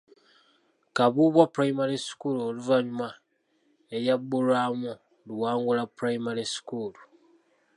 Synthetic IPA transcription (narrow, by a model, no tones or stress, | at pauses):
kaβuβwapuɾajimaɾiskuloluvaɲuma | ejabːulwaːmu | luwaːŋɡulapuɾaimaɾiskulu